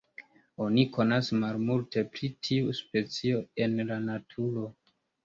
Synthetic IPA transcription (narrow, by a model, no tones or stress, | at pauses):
o̞nikʰo̞nasmalmulte̞pɾitʰiuspe̞t͡sio̞e̞nlanatʰuɾo̞